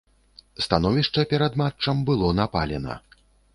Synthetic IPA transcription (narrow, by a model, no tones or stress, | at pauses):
st̪anɔvʲiʂt͡ʂɐpʲɛɾad̪mat͡ʂɐmbɨlˠɔnapalʲɛnɐ̰